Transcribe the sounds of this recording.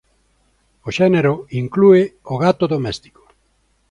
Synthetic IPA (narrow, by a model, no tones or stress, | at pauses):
oʃɛneɾoiŋklueoɣat̪oðomɛst̪i̥ko̥